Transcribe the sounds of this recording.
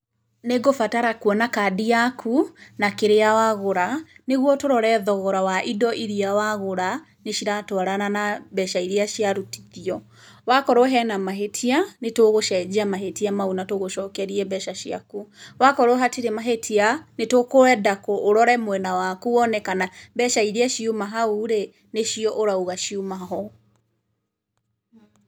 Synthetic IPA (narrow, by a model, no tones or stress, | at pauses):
neɡofataɾakwɔnakadiakʰunakeɾeawaɣoɾaneɣwɔtoɾɔɾɛðɔɣɔɾawaʔidɔʔiɾiawaɣoɾa | neʃiɾatɔaɾananabɛʃaiɾiaʃiaɾuti̥ðiɔ | wakɔɾoɦɛnamaɦetʰianetoɣoʃɛd͡ʒamaɦetiamaunatoɣoʃɔːkɛɾiɛbɛʃaʃia̰kuwakɔɾoɦatiɾemaɦetʰianetokoɛdakoʔːɾɔɾɛmwɛnawakuɔnɛkanabɛʃaiɾiaʃiomaɦauɾe | neʃiɔʔoɾaoɣaʃiumaɦɔ